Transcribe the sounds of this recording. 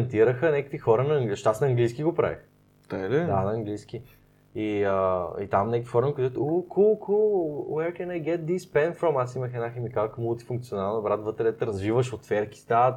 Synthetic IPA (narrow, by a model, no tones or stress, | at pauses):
nt̪iɾəxənɛkə̥kvixɔɾənɐːŋɡʃt̪asnɐːŋɡlijsk̟iɡopɾa̰vḭx | t̪ad̪ɛd̪anɐːŋɡlijskʲi | iəit̪amnɛkvixɔɾənkʊt̪ɛt̪ukʰulˠkulwɛkɛnaɡɛt̪̚d̪ispɛnfɾɔ̃masiməxɛd̪naxɛmikakmulˠt̪i̥fuŋk̚tsionalˠnəbɾat̪vət̪ɾɛd̪ɛt̪ɛɾɐzvivəʃot̪fɛɾki̥st̪a